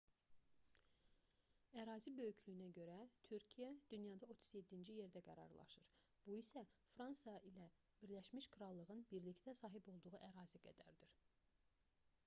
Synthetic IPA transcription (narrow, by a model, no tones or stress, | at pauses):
æɾɑːzibø̞jycʰlyjnæɟø̞ɾæt̪ʰyɾcʰijæd̪̥ynjɑd̪ɑo̞t̪ʰu̥zje̞d̪ːind͡ʒije̞ɾd̪æɡæɾɑ̰ɾlˠɑ̰ʃɯɾ | b̥uisæfɾɑnsɑilæ | b̥iɾlæʃmiʃkʰɾɑlˠːɯʁɯnbiɾlict̪æsɑːɦibo̞lˠd̪uʁuʔæɾɑːziɡæ̰d̪æ̰ɾd̪iɾ̥